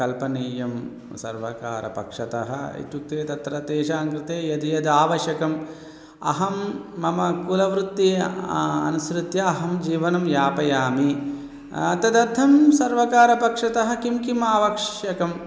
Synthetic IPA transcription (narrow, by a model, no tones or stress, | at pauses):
kɐlpɐniːjɐm | sɐ̰ɾʋɐka̰ːɾɐ̰pɐ̰kʂɐt̪ɐɦɐ̆ḭt̪juk̚t̪eːt̪ɐt̪ɾɐt̪eːʃaːŋkɾɪt̪eːjɐd̪ijɐd̪aːʋɐʃjɐkɐm | ɐ̰ɦɐmːɐmɐkulɐʋɾut̪ːi | ɐ̰nusɾut̪jɐːɦɐmd͡ʒiːʋɐnɐmjaːpɐjaːmi | ɐt̪ɐd̪ɐd̪ʱːɐmsɐɾʋɐkaːɾɐpɐkʂɐt̪ɐɦɐ̆kimkimaːʋɐkʂjɐkɐm